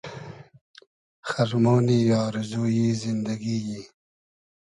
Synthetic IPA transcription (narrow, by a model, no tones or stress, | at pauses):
xaʐmoːnijɑːɾɪzojizɪnd̪aɡiji